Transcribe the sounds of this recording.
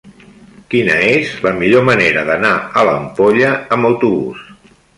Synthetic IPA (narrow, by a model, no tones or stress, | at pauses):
kinəezləmiʎoməneɾəðənaələmpoʎəːmbəwt̪uβṵs